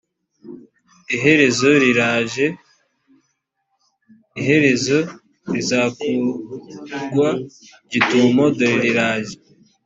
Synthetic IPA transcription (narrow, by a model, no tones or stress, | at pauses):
iɦe̞ɾe̞zoɾiɾaʒe | iɦe̞ɾe̞zo̞ | ɾizaːku | ɡwa | ɟitumodoɾiɾiɾaːʒe